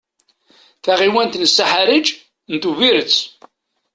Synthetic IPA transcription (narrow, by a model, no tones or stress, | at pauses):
θaʁiwænt̪nsaħaɾəd͡ʒ | nt̪uviɾət͡sː